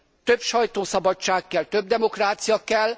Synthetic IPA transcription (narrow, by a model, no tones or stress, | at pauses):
t̪ø̞bʃɒjt̪oːsɒbɒt͡ʃːaːkːɛlt̪ø̞b̚d̪ɛmo̞kraːt̪sijɒkɛl